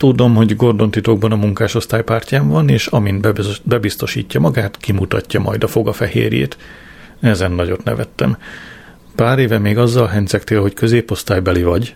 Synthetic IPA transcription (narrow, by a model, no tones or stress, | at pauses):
t̪ud̪o̞mɦo̞ɟɡo̞rd̪o̞nt̪it̪o̞ɡ̚bɒnɒmuŋkaːʃo̞st̪aːjpaːrcaːɱvɒneːʃɒmind̪bɛbist̪o̞ʃḭːcːɒmɒɡaːt̪kimut̪ɒcːɒmɒ̰jd̪ɒfo̞ɡɒfɛhḛːɾjḛːt̪ | ɛzɛnːɒɟo̞t̪nɛ̰vɛt̪ːɛ̰m | paːɾeːvɛmeːɡɒzːɒlɦɛnsɛkt̪eːlho̞ckø̞zeːpo̞st̪aːjbɛlivɒɟ